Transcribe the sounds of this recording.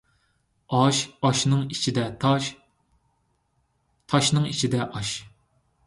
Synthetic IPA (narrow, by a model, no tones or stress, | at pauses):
ɑʃɑʃnɨŋit͡ʃʰid̪ɛt̪ʰ | t̪ʰɑʃnɨŋit͡ʃʰid̪ɛʔɑʃ